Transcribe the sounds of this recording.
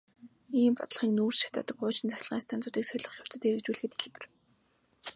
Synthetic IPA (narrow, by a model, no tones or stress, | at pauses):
iːmpɔ̰t̪ə̆ɮχiːŋnuːrʃḁt̪aːt̪ə̆kʊːt͡ɕɪ̆nt͡sæxʲɪ̆ɮʁiːŋst̪ʰaːnt͡sʊːt̪iːksœɾʲɮɞ̆χjʊw̥t͡sɘ̆t̪eɾɘ̆k̚t͡ɕuːɮxɘ̆t̪iɮpɘ̆r